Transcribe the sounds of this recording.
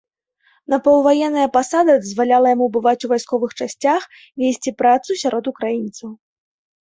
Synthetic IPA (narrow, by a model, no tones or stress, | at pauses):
nɐpɐw̪ˠvajɛnːɐjɐpasad̪ɐd̪ɐzvalʲalˠɐjamubɨvat͡sʲuvajskɔvɨxt͡ʂasʲt͡sʲax | vʲesʲt͡sʲipɾat̪susʲaɾʔɔt̪ukɾajint̪sɐw